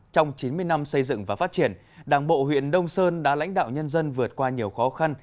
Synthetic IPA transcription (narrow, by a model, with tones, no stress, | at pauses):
t͡ɕɔ˧wŋ͡mt͡ɕi˨˦nmɨ˧əjna˧msə˧jzɨ̰˧˨ŋvaː˨˩faː˦˥t̚t͡ɕi˧˩ən | ɗaː˨˩ŋɓo̰˧˨hwḭ˧˨ənɗə˧wŋ͡msəː˧nɗa̰ː˧˥la̰˧˥jŋ̟ɗa̰ː˧˨wɲə˧nzə˧nvɨ˨˩ə˩t̚kwaː˧ɲi˨˩əwxɔ˨˦xa˧n